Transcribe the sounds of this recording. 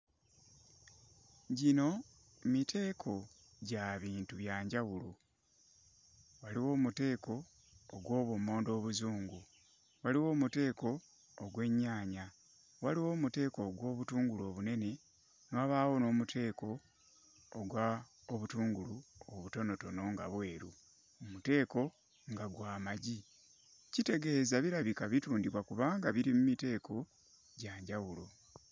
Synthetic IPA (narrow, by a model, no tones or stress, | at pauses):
ɟino̞ | mitʰe̞ːkʰo̞ | ɟaβiːntuβjaːɲɟawulu | waliwo̞ːmute̞ːko̞ː | ɡwo̞ːβwomo̞ːndo̞ːβuzuːŋɡu | waliwo̞ːmute̞ːko̞ː | ɡwe̞ɲːaːɲa | waliwo̞ːmute̞ːko̞ɡwo̞ːβutuːŋɡulo̞ːβune̞ne̞ | nwaβaːwo̞no̞ːmutʰe̞ːko̞ː | ɡwa | oβutuːŋɡuluoβuto̞no̞to̞no̞ŋɡaβwe̞ːɾu | omute̞ːko̞ | ŋɡaɡwaːmaɟi | cite̞ɡe̞ːzaβiɾaβikaβituːndiβwakuβaːŋɡaβiɾimumite̞ːkʰo̞ | ɟaːɲɟawulo̞